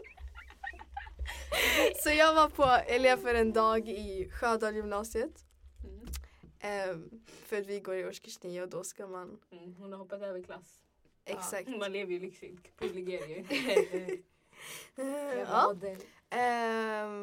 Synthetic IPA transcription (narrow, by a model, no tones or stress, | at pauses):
sɔjɑvaɾpʰɔɛleːfəɾɛnd̪ɑːɡɪɧøːd̪ɑːljʏmnɑːsɪət̪ | ʔ | fœɾt̪ʋɪɡoːɾɪɔʂkəʃniːəɔd̪oskɑmanhʊnaɾhɔːpːat̪d̪ɛːʋəkʰlas | ʔɛksak̚t̪manleːvəjlɪksɪŋpʰɔlɪɡeːɾɪə | ɑː